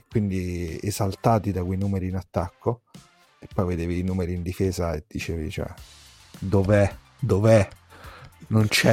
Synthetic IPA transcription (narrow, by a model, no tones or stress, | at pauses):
ekːwind̪iezalt̪aːt̪id̪akwejnuːmeɾiːnat̪ːakːo | epːɔjved̪eːviːnuːmeɾiːnd̪ifeːzaed̪̥ːit͡ʃḛːvḭt͡ʃoɛ̰ | d̪ovɛ | d̪ovɛ | nont͡ʃɛ